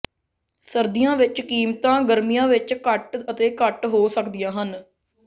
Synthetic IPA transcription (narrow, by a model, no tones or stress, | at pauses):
səɾd̪ijãːʋɪt͡ʃkiːmt̪ãːɡəɾmijãːʋɪt͡ʃkəʈət̪eːkəʈɦoːsəkd̪ɪjãːɦən